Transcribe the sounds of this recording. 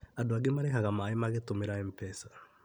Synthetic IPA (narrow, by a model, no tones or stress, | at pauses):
adoaɡemaɾekaɣamaːemaɣetomeɾaɛmpɛsḁ